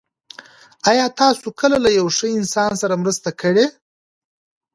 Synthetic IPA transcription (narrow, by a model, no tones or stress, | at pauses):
ajɑt̪ɑsokəlalajawʂəɪnsɑnsaɾamɾəst̪akʰəɽe